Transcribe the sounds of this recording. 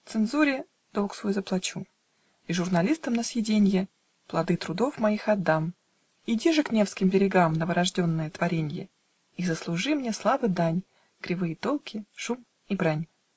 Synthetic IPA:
t̪sɨnzuɾʲɪ | d̪̥olˠksvojzəplˠɐt͡ɕu | iʐʊrnɐlʲist̪əmnəsjʲɪdʲenʲjə | plˠɐd̪ɨt̪ɾʊd̪o̞fmɐixɐd̪ːam | idʲiʐɨknʲe̞fskʲɪmbʲɪɾʲɪɡamnəvəɾɐʐdʲo̞nːəjət̪vɐɾʲenʲjə | izəslˠʊʐɨmnʲeslˠavɨd̪anʲ | ɡ̥ɾʲɪvɨjət̪o̞lˠkʲɪʂum | ibɾanʲ

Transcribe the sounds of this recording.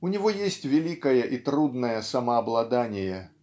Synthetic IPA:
unʲivɔjesʲt͡sʲvʲɛlʲikɐjɛʔit̪ɾud̪nɐjɐsɐmɐːblˠad̪anʲɛjɛ

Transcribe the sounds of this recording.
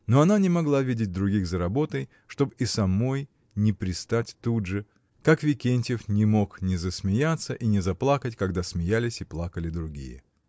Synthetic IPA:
no̞ɐnanʲɪmɐɡlˠavʲidʲɪt̚ʲd̪ɾʊɡʲiɣzəɾɐbo̞t̪əj | ʂt̪o̞bisɐmo̞j | nʲɪpɾʲɪst̪atʲt̪udʐɨ | kakvʲɪkʲenʲtʲɪfnʲɪmo̞knʲɪzəsmʲɪjat̪səʔinʲɪzɐplˠakətʲkɐɡd̪asmʲɪjalʲɪsʲɪplˠakəlʲɪd̪ɾʊɡʲḭjɪ̰

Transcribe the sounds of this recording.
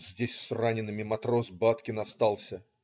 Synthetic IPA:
zʲdʲesʲsranʲɪnːɨmʲɪmɐt̪ɾo̞sbat̪kʲɪnɐst̪alˠsʲə

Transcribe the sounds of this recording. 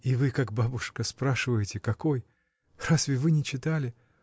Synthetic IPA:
ivɨkak̚babʊʂkəspɾaʂɨvəjɪtʲɪkɐko̞j | rasvʲɪvɨnʲɪt͡ɕɪt̪alʲɪ

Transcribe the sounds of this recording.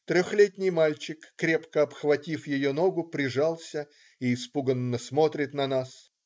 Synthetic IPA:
t̪ɾʲoxlʲet̪ʲnʲɪjmalʲt͡ɕɪkːɾʲe̞pkəɐpxvɐtʲifjɪjonoɡʊpɾʲɪʐalˠsʲə | iːspuɡənːəsmo̞t̪ɾʲɪt̪nɐnas

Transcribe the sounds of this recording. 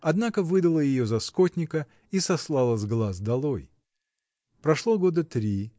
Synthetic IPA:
ɐd̪nakəvɨd̪əlˠəjɪjo̞zɐskotʲnʲɪkə | isɐslˠɑlˠəzɡlˠazd̪ɐlˠoj | pɾɐʂlˠoɡo̞d̪ət̪ɾʲi

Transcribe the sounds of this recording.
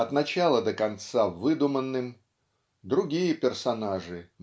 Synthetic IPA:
ɐt̪nɐt͡ɕalˠəd̪əkɐnt̪savɨd̪ʊmənːɨm | d̪ɾʊɡʲijəpʲɪrsɐnaʐɨ

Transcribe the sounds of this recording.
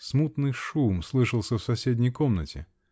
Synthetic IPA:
smut̪nɨjʂumslˠɨʂəlˠsʲəfsɐsʲedʲnʲɪjkomnətʲɪ̰

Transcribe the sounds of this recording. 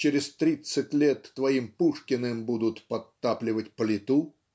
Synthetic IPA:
t͡ɕɪɾʲɪst̪ɾʲit̪sɨt̚ʲlʲet̪ːvɐimpuʂkʲɪnɨmbud̪ʊt̪pɐt̪ːaplʲɪvətʲpəlʲɪt̪u

